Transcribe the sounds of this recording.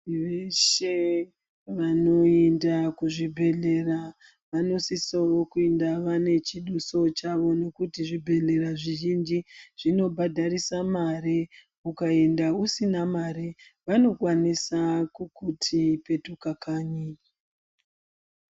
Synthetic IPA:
ʋeʃe | ʋano̞endakuʐibʱe̞ɮe̞ɾa | ʋano̞sisaokuendaʋane̞t͡ʃiɗuso̞t͡ʃaʋo̞no̞kutiʐibʱe̞ɮe̞ɾaʐiʒind͡ʒiʐ̥ino̞bʱadʱaɾisamaɾe | ukae̞ndausinamaɾiʋano̞kwanisakukutʰipe̞tukakaːɲi

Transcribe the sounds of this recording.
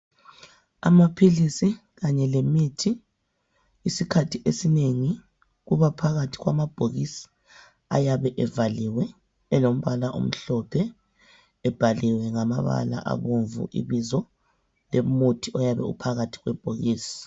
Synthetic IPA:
a̰mapʰilisi | ɣaɲɛlemitʰi | sikʰatʰiʔesineŋi | ɣuβapʰaɣatʰi̥ɣwa̰mab̥ʱoɣisi̥ | a̰jaβɛʔɛvaliwɛ | ɛlom̩βalaʔo̰m̩ɬɔpʰɛː | b̥ʱaliwɛŋama̰βa̰la̰ʔa̰βoɱvṵʔḭβizɔ | lemutʰiʔɔjaβɛ̰ṵpʰaɣatʰi̥ɣwɛb̥ʱoɣiːsi̥

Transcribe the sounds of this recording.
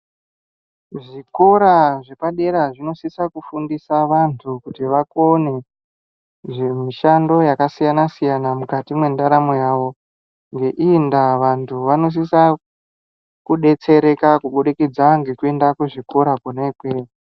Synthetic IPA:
ʐiko̞ɾaʐe̞paɗe̞ɾaʐino̞sisakufundisaʋantʰukutiʋakone̞ | ʐemiʃando̞jakasijanasijanamukatimwe̞ndaɾamojaʋo̞ | ŋɡe̞ʔindaʋantʰuʋano̞s̬isa | kuɗe̞t͡se̞ɾe̞kakuɓoɗikid͡zaŋɡe̞kue̞ndakweʐiko̞ɾakuneikwea

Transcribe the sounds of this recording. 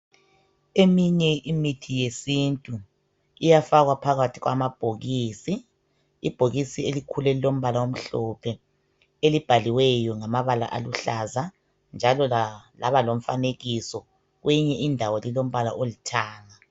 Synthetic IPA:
emiɲɛʔimitʰijesintʼu | ijafaɣwapʰaɣatʰiɣwa̰mab̥ʱoɣiːsiː | b̥ʱoɣisielikʰulɛlilom̩βalawom̩ɬɔpʰɛ | elib̥ʱaliwɛjɔŋamaβala̰ʔaluɬaza | nd͡ʒʱalɔlaβalom̩faneɣisɔ | ɣweɲɛʔindʱawɔlilom̩βala̰ʔolitʰaːŋa

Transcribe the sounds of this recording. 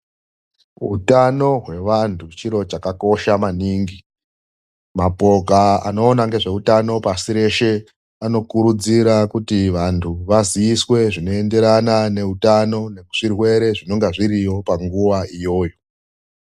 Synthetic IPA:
ɦṵtano̞ɦwe̞ʋantʰut͡ʃiɾo̞t͡ʃakako̞ʃamaniːŋɡi | mapo̞kaa̰no̞ːnaŋɡe̞ʐe̞utano̞pasiɾe̞ʃe̞ | ano̞kuɾud͡ziɾakutiʋantʰuʋaziiswe̞ʐino̞ende̞ɾanane̞utano̞ne̞ku̥ʐ̥irwe̞ɾe̞ʐino̞ŋɡeʐiɾijo̞paŋɡuwaijo̞ːjo̞

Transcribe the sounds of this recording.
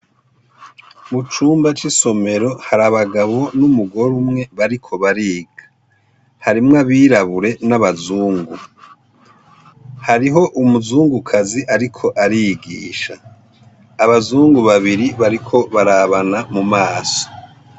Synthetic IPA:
βut͡ʃuːmbat͡ʃiso̞me̞ɾo̞haɾaβaɡaβo̞numuɡo̞ɾumŋe̞βaɾikʰo̞βaɾiːɡ̥ḁ | haɾimŋaβiːɾaβuɾe̞naβazuːŋɡu | haɾiɦo̞ʔumuzuːŋɡukʰaziʔaɾikʰo̞ʔaɾiɡḭːʃa̰ː | βazuːŋɡuβaβiɾiβaɾikʰo̞βaɾaβanamumaːso̥

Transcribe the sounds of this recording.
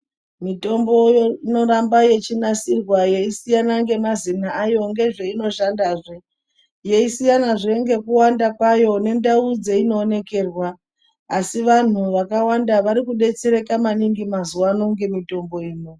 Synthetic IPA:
mito̞mbo̞jino̞ɾambaje̞t͡ʃinasirwajeisijanaŋɡe̞mazinaːjo̞ŋɡe̞ʐe̞ino̞ʃandaːʐe | je̞isijanaʐe̞ŋɡe̞kuwandakwajo̞ne̞ndaud͡ze̞ino̞ːne̞ke̞ːrwaː | siʋan̤uʋakawandaʋaɾikuɗe̞t͡se̞ɾe̞kamaniŋɡimazuwano̞ŋɡe̞mito̞mbo̞iːno

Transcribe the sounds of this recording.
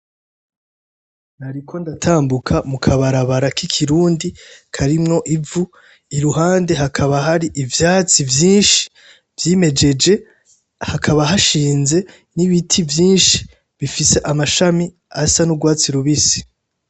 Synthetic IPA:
naɾikʰo̞ndatʰaːmbukʰamukʰaβaɾaβaɾakikʰiɾuːndikʰaɾimŋo̞ʔivu | iɾuɦaːnde̞ɦakʰaβaɦaɾiʔivjaːt͡sivjiːnʃi̥ | vjiːme̞d͡ʒe̞d͡ʒe̞ | hakʰaβaɦaʃiːnze̞ | niβitʰivjiːnʃi̥ | βifise̞ʔamaʃami | asanuɡwaːt͡siɾuβisi̥

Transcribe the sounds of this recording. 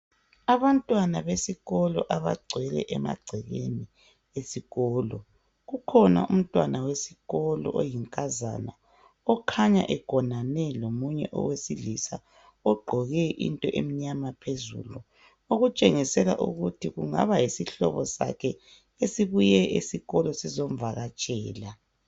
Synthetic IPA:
aβantʼwanaβesiɣɔlɔʔaβa̰ɡ͡ǀʱwɛlɛ̰ʔɛma̰ɡ͡ǀʱɛɣḛni | esiɣɔːlɔ | ɣukʰɔna̰um̩tʼwanawesiɣɔlɔ̰ʔojiŋkʼaza̰na | ɔkʰaɲa̰ʔɛɡ̥ʱɔnanɛlomuɲɛʔɔ̰wesilisa | ɔɡ͡ǃʱɔɣɛʔḭntʼɔʔemiɲamapʰezṵlu | oɣut͡ʃʼeŋisɛla̰ʔuɣutʰiɣuŋa̰βajisiɬɔβɔsa̰kʰɛ | esiβujɛesiɣɔlɔsizom̩vaɣat͡ʃʼɛːla

